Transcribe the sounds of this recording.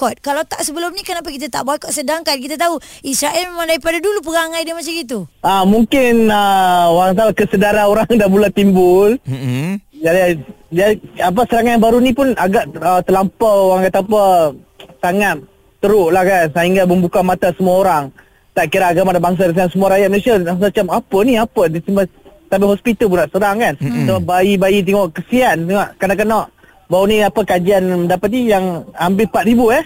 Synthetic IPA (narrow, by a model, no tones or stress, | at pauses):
kɔt̪̚kalawt̪aʔsəbəlʊmnikənapakit̪at̪aʔbaɛkɔʔ̚sədaŋkankit̪at̪au | isɾaʔɛlmeemaŋdaɾipadadulup̬əɡaŋajdimat͡ʃaɡit̪̬uamuŋkɪnəoɾaŋat̪akəsədaɾanoɾaŋdabulat̪imbʊl | d͡ʒadi | d͡ʒaiap̬asəɾaŋanjaŋbaɾunipʊnaɡaʔət̪əlampaoɾaŋat̪apə | saŋat̪̚ː | əɾʊʔlahkansaɦiŋɡaməmbukamat̪asəmuaoɾaŋ | t̪aʔkiɾaːɡamadabaŋs̬aɾəs̬aansəmuaɾajat̪̚məlesiaasat͡ʃamapəniapədisimasabɪɦɔspit̪əlpunaʔsəɾaŋkansəbabaibajit̪̬iŋɔʔkəsiant̪əŋaʔkanaʔkənɔʔ | baɾuniapəkad͡ʒianməndapat̪̚nijaŋambɪpat̪̚ɾibuɛh